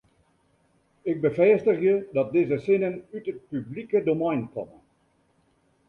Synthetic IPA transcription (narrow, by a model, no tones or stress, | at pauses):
ɪɡ̚bəfɛːstəχjədɑt̚dɪzəsɪnənytət̚pyblikədomɛjnkɔmən